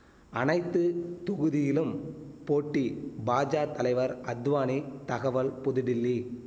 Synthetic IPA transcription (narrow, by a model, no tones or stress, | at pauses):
ʔɐnɐɪt̪ːɯt̪ʊɣɯðɪjɪlɯmpoːʈːibaːd͡ʒaːt̪ɐlɐɪʋɐɾɐd̪ʋaːnit̪ɐɣɐʋɐlpʊðɪɽɪlːi